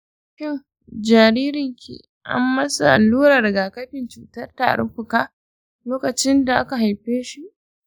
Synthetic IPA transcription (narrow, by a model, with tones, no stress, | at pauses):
kʲɪ˦ŋ | d͡ʒaː˨ɾiː˦ɾɪ˨ŋkʰʲḭ˨ | ʔa̰˦mːɐ˦sa̰˨ʔa̰˨lːuː˦ɾɐ˨rɡaː˨kɐ˦ɸɪ˨nt͡ʃuː˨tɐ˦rta̰ː˨ɽɪ̰˦ɸʊ˨kaː˦ | loː˦kɐ˨t͡ʃɪ˦nda˨ʔa˦ka˨ɦa˨jɸeː˦ʃi˦ʔ